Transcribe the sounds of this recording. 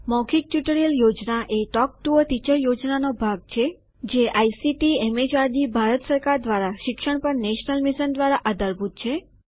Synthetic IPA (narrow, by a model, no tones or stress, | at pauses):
mɔkʰik̚ʈjuʈəɾijəljod͡ʒnaʔeʈɔk̚ʈuət̪it͡ʃəɾjod͡ʒnanobʱaɡ̚t͡ʃʰe | d͡ʒeʔajsiʈiɛmed͡ʒʋaɾd̪ibʱaɾət̪səɾkaɾd̪ʋaɾaʃɪkʃəɳ̃pəɾneʃnəlmiʃənd̪ʋaɾaʔəd̪əɾbʱut̪̚t͡ʃʰe